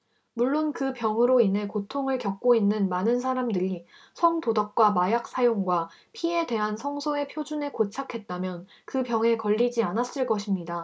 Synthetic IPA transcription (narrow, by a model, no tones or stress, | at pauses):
muɭːonkɯpjʌŋɯɾoinɦe̞kotʰoŋɯɭkjʌk̚k͈oinːɯnmanɯns̬ʰaɾamdɯɾi | sʰʌŋtodʌp̚k͈wamajak̚s͈ʰajoŋɡwapʰie̞dwe̞ɦansʰʌŋsʰoe̞pʰjod͡ʑunekot͡ɕʰakʰe̞t̚t͈amjʌn | kɯpjʌŋe̞kʌʎːid͡ʑianas͈ɯɭk͈ʌɕʰimɲida